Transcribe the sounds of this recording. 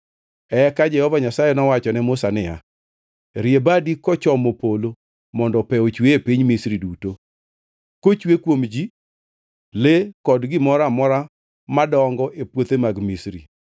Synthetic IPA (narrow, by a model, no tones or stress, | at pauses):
ɛkad͡ʒɛhɔvaɲasajenɔwat͡ʃɔnɛmʊsanɪja̰ | ɾjebadikɔt͡ʃɔmopolo | mɔndɔpɛot͡ʃweːpiɲmisɾiduto | kot͡ʃwekwomd͡ʒi | lekɔdɡɪmɔɾamɔɾa | madɔŋɡɔʔepwot̪emaɡmisɾḭ